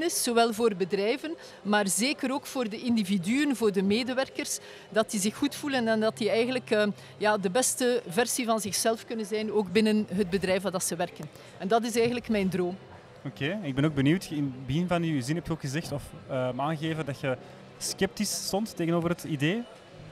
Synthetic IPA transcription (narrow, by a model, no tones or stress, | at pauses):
nɪszoʋɛlˠvoːrbədrɛjvən | maːrzeːkəɾoːkfoːrdəɪndividyənvoːrdəmeːdəʋɛrkərs | dɑtdizɪxːutfulənɛndɑtdiɛjɣənləkəː | jaːdəbɛstəvɛrsivɑnzɪxsɛlˠfkɵnənzɛjnoːɡbɪnənɦəd̚bədɾɛjfadɑtsəʋɛrkən | ɛndɑt̬ɪs̬ɛjɣənləkmɛjndroːm | okʰeːɛnɪɡ̚bɛnoɡ̚bənyːwtɪnbəɣɪnvɑnyzɪnɦɛptyoːkxəzɛxtɔfəmaːnɣeːvəndɑtjə | skɛp̚tistɔntːeːɣənoːvərɦətideː